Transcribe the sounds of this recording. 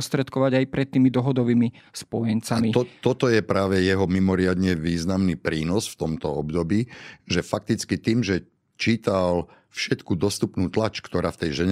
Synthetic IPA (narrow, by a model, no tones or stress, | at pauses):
st̪ɾɛt̪kɔʋaɟajpɾɛt̪ːiːmid̪ɔɦɔd̪ɔʋiːmi | spɔjɛnt͡samiɔt̪ɔt̪ɔjɛpɾaːʋɛjɛɦɔmimɔɾɪad̪ɲɛʋiːznamnipɾiːnɔsft̪ɔmt̪ɔɔbd̪ɔbiːʒɛfak̚t̪it͡skit̪iːmʒɛ | t͡ʃiːt̪al | fʃɛt̪kud̪ɔst̪upnuːt̪lat͡ʃkt̪ɔɾaːft̪ɛjʒɛɲ